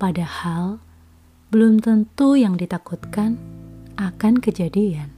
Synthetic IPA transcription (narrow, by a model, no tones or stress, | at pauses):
padahal | bəlʊmt̪ənt̪ujaŋdit̪akut̪kanakankəd͡ʒadian